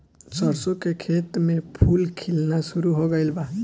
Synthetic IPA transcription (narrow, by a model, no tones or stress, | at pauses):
sʌɾsokekʰet̪mepʰulkʰilnasuɾuɦoɡʌɪlba